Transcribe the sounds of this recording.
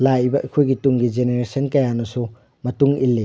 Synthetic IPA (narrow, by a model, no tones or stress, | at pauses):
lajbɐʔɐjkʰojɡituŋɡid͡ʒeneɾesɐnkɐjanɐsu | mɐtuŋilːe